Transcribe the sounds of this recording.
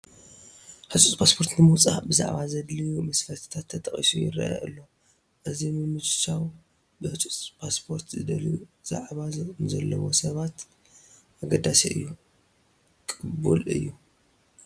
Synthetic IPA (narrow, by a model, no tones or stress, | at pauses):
ħɨsʼut͡sʼpʰaspʰo̞ɾt̪nɨmuwt͡sʼa̰bɨza̰ʕβazɐd̪lijumɐsfɐɾt̪ʰɨ̥t̪ʰat̪ʰːɐt̪ʰʼɐχʼḭsujɪ̰ɾɐ̰ʔa̰ʔɨ̰lːo̞ | ʔɨzimɨmɨd͡ʒt͡ʃaw | bɨħɨt͡sʼut͡sʼpʰaspʰoɾt̪zɨd̪ɐljuz̥a̰ʕβazɨkʼunzɐlːɐwo̞sɐβat̪ | ʔaɡɐd̪asiʔɨjːu | kʼɨbṵlɨ̰jːu